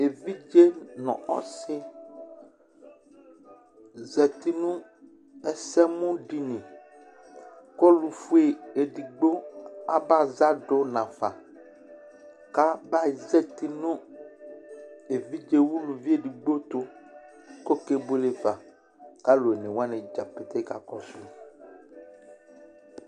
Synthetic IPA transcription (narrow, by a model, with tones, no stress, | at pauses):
e˨vi˦d͡ʒe˦nɔ̰̃˨ʔɔ̰˦sɪ˦ | zɛ˨ti˨nʊ̃˦ | ɛ˨sɛ˦mʊ̃˦ɖi˨nĩ˨ | kɔ˦lu˨fu˦e˨e˨di˨ɡ͡bo˦a̰˨ba˦˨za˦do˦nã˨fa˨ | ka˦ba˦˨zɛ˦t̪i˨nũ˦ | e˨vi˦d͡ʒe˨wu˦lu˨vi˦e˨di˨ɡ͡bo˦t̪o˦ | ko˦ke˨bo˦le˨va˨ | ka˦lo˨e˨nẽ˨wa˦nẽ˨d͡ʒa˨pe˨t̪e˦ka̰˨kɔ˨si˦